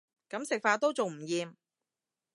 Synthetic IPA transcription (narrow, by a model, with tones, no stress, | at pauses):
kɐ˨˥msɪ˨k̚faː˧t̪o˥wt͡so˨wm̩˨˩jiː˨˧m